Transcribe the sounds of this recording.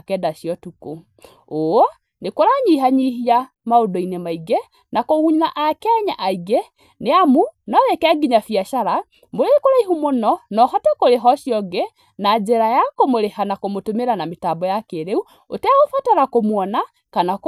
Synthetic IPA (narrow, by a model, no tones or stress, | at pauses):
kɛdaʃiɔtuko | oɔ | nekoɾaɲiɦaɲiɦia | maodɔinɛmaiɡɛ | nakoɣuɲinaʔakɛɲa̰ʔaiɡɛ | neamunɔðɛkɛɡiɲafjaʃaɾa | moɾeekoɾaiɦumonɔnɔɦatɛkoɾeɦɔʃjɔɡɛ | nad͡ʒɛɾajakomoɾehanakomotomeɾanametabɔjakeɾeu | otɛaɣofataɾakomwɔna | kanak